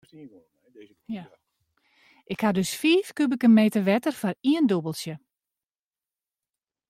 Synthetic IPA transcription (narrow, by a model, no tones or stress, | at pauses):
ʔɪkhadøsfiːfkybəkənmeːtərʋɛtərfɔriəndobəlˠsjə